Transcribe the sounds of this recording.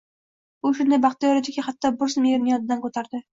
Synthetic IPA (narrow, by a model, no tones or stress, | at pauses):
ʊʃʊnd̪ajbɑχt̪ʰɪjɒɾɪt̪ʰɪkʲaχat̪ːɒbʊɾsmijeɾnɪjɒd̪ɪd̪ankɵt̪ʰaɾd̪ɪ